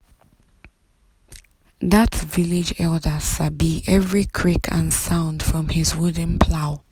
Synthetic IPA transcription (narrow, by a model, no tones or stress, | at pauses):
ðətvɪlɪd͡ʒɛldəʃabiʔɛvɹikʰɹ̥ikʰə̰̃nsãʊ̃nd̥fɹɔ̃mɪzwʊd̃n̩pʰlaʊ